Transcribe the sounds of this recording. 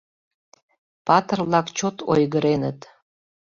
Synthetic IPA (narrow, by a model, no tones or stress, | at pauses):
pɑt̪ərlɑkt͡ɕot̪ʰo̰jɣəɾenət̪